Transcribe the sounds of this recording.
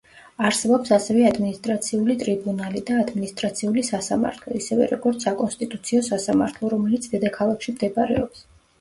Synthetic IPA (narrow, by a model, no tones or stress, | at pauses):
aɾsɛbɔpsasɛvɛad̪minist̪ʼɾat̪sʰiulit̪ʼɾibunalid̪aːd̪minist̪ʼɾat̪sʰiulisasama̰ɾt̪ʰlˠɔ̰isɛvɛ̰ɾɔɡɔɾt̪sʰakʼɔnst̪ʼit̪ʼut̪sʰiɔsasama̰ɾt̪ʰlˠɔɾɔmɛlit̪sʰd̪ɛd̪akʰalˠakʰʃimd̪ɛbɾɛ̰ɔps